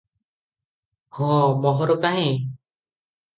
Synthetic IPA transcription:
hɔ̃ːmɔɦɔɾɔkaɦẽ

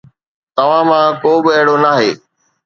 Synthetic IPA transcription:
t̪ɐʋ̤ãmãːkoːbɪɛɦɪɽoːnaːɦeː

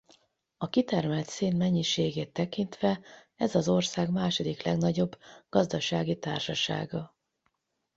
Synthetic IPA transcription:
ɒkit̪ɛrmɛlt̪seːnmɛɲːiʃeːɡeːt̪ːɛkint̪ʋɛ | ɛzɒzo̞rsaːɡmaːʃo̞d̪iklɛɡnɒɟo̞bɡ̥ɒzd̪ɒʃaːɡit̪a̰ːrʃɒʃa̰ːɡɒ

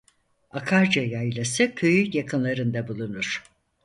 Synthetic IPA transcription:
akʰaɾd͡ʒajajlˠasɯkʰøjyjakʰɯnlˠaɾɯnd̪abulˠunuɾ̥

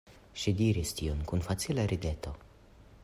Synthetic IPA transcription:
ʃidiɾistionkunfat͡silaɾʔide̞to̞

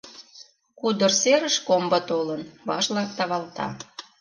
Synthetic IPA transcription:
kud̪ərseɾəʃkombɑt̪olənβɑʃlɑk̚t̪ɑβɑlˠt̪ɑ̰

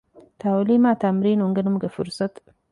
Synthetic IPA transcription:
t̪ʰawlemat̪ʰamɾenoŋɡənɨmɡəfɨɾsət̪ʼ

